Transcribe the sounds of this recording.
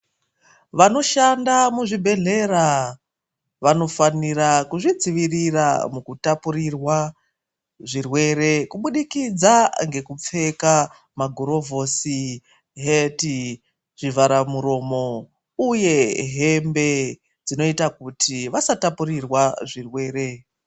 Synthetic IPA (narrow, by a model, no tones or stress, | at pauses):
ʋano̞ʃandamuʐibʱe̞ɮe̞ɾa | ʋano̞faniɾakuʐid͡ziʋirira̰mukutapuɾirwa | ʐirwe̞ɾe̞kuɓuɗikid͡zaŋɡe̞kup͡fe̞ka | maɡʱuɾo̞vo̞si | ɦeti | ʐivaɾamuɾo̞ːmo̞ | uje̞ɦe̞mbe̞ | d͡zino̞itakutʰiʋasatapurirwaʐirwe̞ːɾe̞